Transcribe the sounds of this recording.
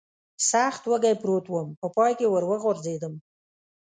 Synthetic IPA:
saxt̪wəɡajpɾot̪wəmpəpɑjkewəɾwəɣoɾzed̪əm

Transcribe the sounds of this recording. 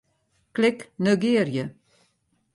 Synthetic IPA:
klɪknøɡeːɾjə

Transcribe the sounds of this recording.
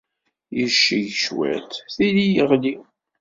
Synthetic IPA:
jəʃːiʝʃwæ̰t̪θilijəʁli

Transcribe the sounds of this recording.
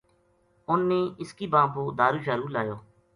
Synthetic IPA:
ʊnːeːɪskiːbãːpoːd̪aːɾuːʃaːɾuːlaːjoː

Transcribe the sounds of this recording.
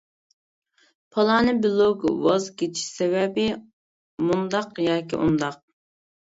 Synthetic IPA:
pʰɑlˠɑːnɨbɪlˠoɡwɑzkʲet͡ʃʰi̥ʃsɛwɛbɪ | mund̪ɑqjɑːkʲiʔṵnd̪ɑq̚

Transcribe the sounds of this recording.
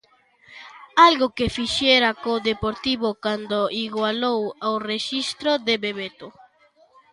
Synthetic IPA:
alɣʊkefiʃɛɾakoðepoɾt̪iβokand̪oiɣwalowawreʃist̪ɾod̪eβeβet̪o

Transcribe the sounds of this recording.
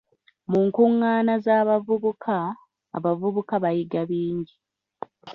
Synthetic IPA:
muŋkuŋːaːnazaːβavuβukʰa̰ː | βavuβukaβajiɡaβiːɲɟi

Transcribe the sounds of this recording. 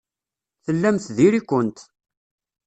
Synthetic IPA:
θəlːæmθðiɾikʷːənt̪

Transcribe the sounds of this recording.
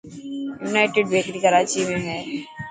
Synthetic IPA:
juːnaːɪʈɪɖbeːkɾikəɾaːt͡ʃimẽɦɛː

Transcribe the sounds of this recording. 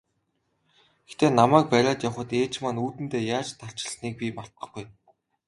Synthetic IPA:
ext̪eːnamæːk̚pæɾʲaːt̪jawχə̆t̪eːt͡ɕmanuːt̪ɘ̆nt̪eːjaːt͡ɕt̪ʰar̥t͡ɕɪ̥̆ɬniːk̚pʲimar̥t̪̚ə̆χɡuj

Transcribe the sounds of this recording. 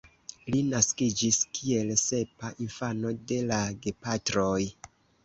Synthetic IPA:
linaskid͡ʒiskʰie̞lse̞paʔinfano̞de̞laɡe̞patɾoj

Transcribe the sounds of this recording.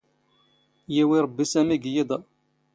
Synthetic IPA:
jæwiɾˤəbːisæmiɡjid̪ˤ

